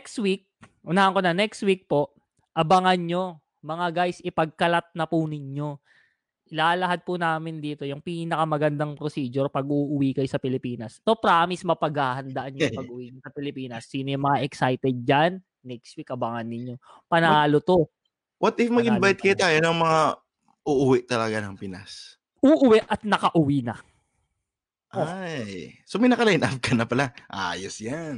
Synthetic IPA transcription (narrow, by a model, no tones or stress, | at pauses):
kst̪wik̚ʔʊnaːhɐŋkonɐnɛkst̪̚wik̚po̞ʔ | ʔɐbaŋɐnɲo̞ | mɐŋaɡajsʔɪpɐɡ̚kɐlat̪̚nɐpʊnɪɲo̞ | ʔɪlaːlɐɦad̪̚pʊnaːmɪnd̪iːt̪o̞jʊŋpiːnɐkɐmɐɡɐnd̪aŋpɾosiːd͡ʒoɾpɐɡʔuːʔʊwikɐjosɐpɪlɪpiːnɐst̪opɾaːmismɐpɐɡhaːhɐnd̪ɐʔanjjpɐɡ̚ʔʊwiːɲosɐpɪlɪpiːnɐsːiːnojʊŋmɐŋaʔɛksajt̪ɛd̪̚d͡ʒanː | ɛkst̪̚wikːɐbaŋɐnːɪɲːo̞ | pɐnaːlot̪o̞ | wɐt̪ʔɪfmɐɡɪnbajt̪̚kɐjot̪aːjonɐŋmɐŋa | ʔuʔʊwɪʔt̪ɐlɐɡanɐŋpɪna̰s | ʔuʔʊwɛʔʔɐt̪̚nɐkɐʔʊwinɐ | ʔʔojsomɐjnɐkɐlajnʔaf̚kɐnɐpɐlaʔa̰ːjosjan